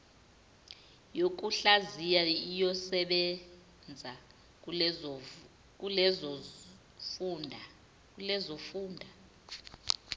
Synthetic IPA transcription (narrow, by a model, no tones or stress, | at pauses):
jok̬uɬazijaijɔsɛɓɛ | nd͡zʱa | k̬ʼulɛz | nʱ | k̬ulɛzofuːndʱa